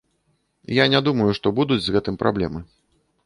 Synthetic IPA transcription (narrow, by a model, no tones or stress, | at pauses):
janʲad̪umɐjuʂt̪ɔbud̪ud͡zʲzɣɛt̪ɨmpɾʔa̰blʲɛmɨ